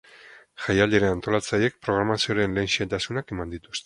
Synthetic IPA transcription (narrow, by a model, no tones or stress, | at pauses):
ʝajald̪e̞ɾeant̪o̞lat͡saje̞k̚pɾo̞ɣ̞ɾamasio̞ɾe̞nle̞ːnʃiet̪asunake̞mand̪it̪u̥st̪e